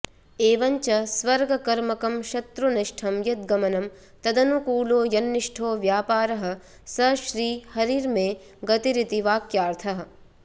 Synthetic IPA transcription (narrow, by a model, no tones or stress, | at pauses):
eːʋɐɲt͡ʃɐsʋɐɾɡʱɐkɐɾmɐkɐmʃɐt̪ɾuniʂʈʰɐmjɐt̪̚ɡɐmɐnɐm | t̪ɐd̪ɐnukuːloːjɐnːiʂʈʰoːʋjaːpaːɾɐɦɐ̆ | sɐʃɾiːhɐɾiːɾmeː | ɡɐt̪iɾit̪iʋaːkjaːɾt̪ʰɐɦɐ̆